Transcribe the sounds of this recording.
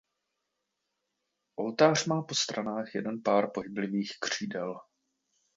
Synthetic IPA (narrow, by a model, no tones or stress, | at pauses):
ʔo̞lt̪aːr̝̥maːpo̞st̪ɾanaːxjɛdɛnpaːɾpoɦɪblɪviːxkr̝̥iːdɛl